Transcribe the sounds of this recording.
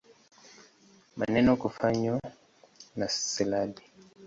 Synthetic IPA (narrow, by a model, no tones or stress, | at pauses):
manɛnɔkufaɲwa | nassilaɗi